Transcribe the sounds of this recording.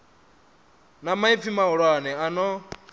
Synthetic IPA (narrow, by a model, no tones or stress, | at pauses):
namaib̪fimauɺwanɛanɔ